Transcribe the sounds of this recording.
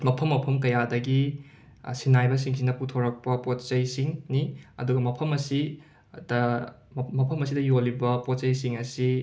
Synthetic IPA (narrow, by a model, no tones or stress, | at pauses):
mɐpʰɐmːɐpʰɐmkɐjadɐɡi | sinajbɐsiŋsinɐputʰoɾɐk̚pɐpott͡ʃɐjsiŋniɐ̰duɡɐmɐpʰɐmɐsi | dɐ | mɐpʰɐmɐsidɐjolibɐpot̚sɐjsiŋɐsi